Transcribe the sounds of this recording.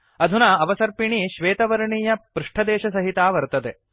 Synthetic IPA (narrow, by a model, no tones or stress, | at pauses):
ɐd̪ʱunaɐʋɐsɐɾpiɳiʃʋeːt̪ɐʋɐɾɐɳiːjɐpɾuʂʈʰɐd̪ɛːʃɐsɐɦit̪aːʋɐɾt̪ɐd̪e